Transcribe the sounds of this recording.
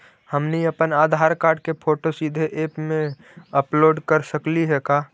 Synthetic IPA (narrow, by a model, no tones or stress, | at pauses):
həmniəpənaːd̪ʱaːɾkaːɾɖkepʰoːʈosid̪ʱeʔeːpmẽ | əploːɖkəɾsəkliɦɛkaː